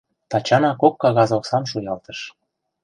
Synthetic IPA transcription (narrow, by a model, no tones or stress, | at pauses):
t̪ɑt͡ɕɑnɑkokːɑɣɑzosɑmʃujɑlt̪əʃ